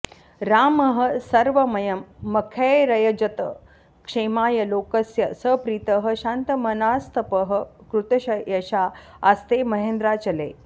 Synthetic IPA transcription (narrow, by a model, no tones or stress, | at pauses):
ɾaːmɐɦɐ̆sɐɾʋɐmɐjɐmːɐkʰeɾɐjɐd͡ʒɐt̪ɐ̰ | kʂeːmaːjɐloːkɐsjɐsəpɾiːt̪əɦɐɕant̪ɐmɐnaːst̪ʰɐpəɦəkɾut̪ɐɕɐjɐɕaː | ast̪eːmɐɦẽːnd̪ɾaːt͡ʃɐlḛː